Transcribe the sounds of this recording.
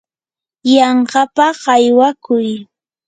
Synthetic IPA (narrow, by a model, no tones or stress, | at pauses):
jɑɴɢɑpaɢɑjwakʊj